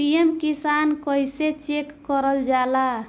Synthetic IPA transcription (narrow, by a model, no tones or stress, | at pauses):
ijemkisankəjset͡ʃekːəɾəld͡ʒala